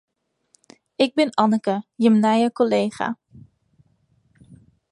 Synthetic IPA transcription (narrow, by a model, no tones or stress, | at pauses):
ɪɡ̚bɪnɑnəkəjəmnɛjəkoleːχa̰